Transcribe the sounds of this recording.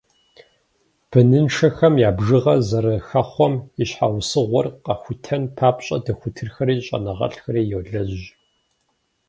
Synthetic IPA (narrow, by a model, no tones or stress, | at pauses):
b̥ɨnɨnʂɐxɐmjaːbʐɨʁɐzɐɾɐxɐχʷɔmiɕħawsɨʁʷɔrqɐxʷʊtʰɐnpʰaːpʼɕʼɐ̰dɐxʷʊtʰɨrxɐɾiːɕʼɐ̰nɐʁɐ̰ɬxɐɾiːjɛwɮɐʑ